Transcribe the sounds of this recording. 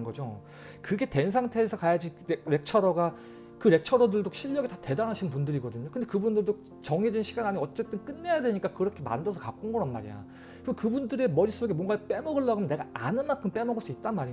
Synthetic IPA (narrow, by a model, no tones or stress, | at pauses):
ɡʌd͡ʑo | kɯɡe̞te̞nsʰaŋtʰe̞ːsʰʌkajad͡ʑiɾe̞k̚t͡ɕʰʌɾʌɡa | kɯɾe̞k̚t͡ɕʰʌɾʌdɯɭdoɕʰiʎːʌɡetate̞danaɕʰinɯnp̬undɯɾiɡʌdɯɲokɯnde̞kɯbundɯɭdo | t͡ɕʌŋedinɕʰiɡanaɲiʌt͡ɕ͈e̞t͈ɯnk͈ɯnːe̞jadwe̞ɲik͈akɯɾʌkʰe̞ma̰ndʌsʰʌkak͈onɡʌɾanmaɾḭja̰ | kɯnekɯbundɯɾe̞mʌɾis͈oɡemwʌŋɡap͈e̞mʌɡɯɭːʌɡɯmjʌne̞ɡaanɯnmankʰɯmp͈e̞mʌɡɯɭs͈uit̚t͈anmaɾi